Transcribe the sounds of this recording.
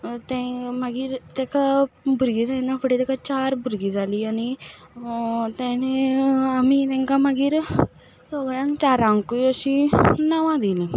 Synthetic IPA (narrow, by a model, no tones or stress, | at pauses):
t̪ɛ̃maɡiːɾt̪ɛkabʱuɾɡiːd͡zainafəʈet̪ɛkat͡ɕaɾbʱuɾɡid͡zʱaliːani | t̪ɛ̃neamit̪ɛ̃ŋkaməɡiːɾ | sɔɡɭãŋkt͡ɕaɾãŋkuəɕinaʋãd̪ilĩ